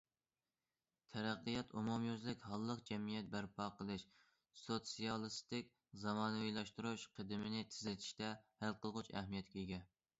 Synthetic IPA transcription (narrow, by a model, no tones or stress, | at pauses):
t̪ʰæɾæqːɨjɑt̪umumjøzlɪkʲhɑlˠːəq̚d͡ʒɛmijɛt̪̚bæɾpʰɑːqʰəlˠɨʃ | sot̪sijɑlˠɨst̪ɪkʲ | zɑmɑːnɨwilˠɑʃt̪uɾuʃqʰəd̪ɪmɪnɪt̪ʰɪ̥zlɪt̪ʰi̥ʃt̪ɛhælqʰəlˠʁʊt͡ʃɛ̰hmijɛt̪̚kʲeiɡʲɛ